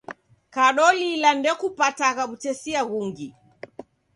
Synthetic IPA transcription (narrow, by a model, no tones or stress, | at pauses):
kaɗɔlilandɛkupataɣaɓut͡ʃɛsiaɣuŋɡi